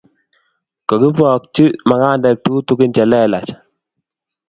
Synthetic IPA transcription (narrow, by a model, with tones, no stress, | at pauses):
kɔ˨ki˦pɔ˨k̚t͡ʃi˦ma˨ŋa˦˨ndɛ˨k̚tu˦tu˦kɪ˦nt͡ʃɛ˨lɛ˦la˨t͡ʃ